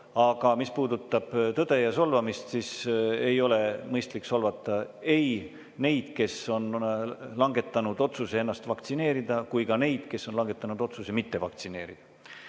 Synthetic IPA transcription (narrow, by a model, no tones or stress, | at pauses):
ɑɡ̥ɑmispuːd̪ut̪ːˑɑb̥t̪ɤd̪̥e̞jɑso̞lvɑmist̪sise̞jo̞le̞mɤjst̪likso̞lvɑt̪ːˑɑe̞j | ne̞jd̪̥ke̞so̞nlɑŋɡe̞t̪ːˑɑnud̪o̞t̪susee̞nːɑst̪vɑkt̪sine̞ːɾid̪̥ɑkujkɑne̞jd̪̥ke̞sːonlɑŋɡ̥e̞t̪ːˑɑnud̪̥o̞t̪susemit̪ːe̞vɑk̚t̪sine̞ːɾid̪̥ɑ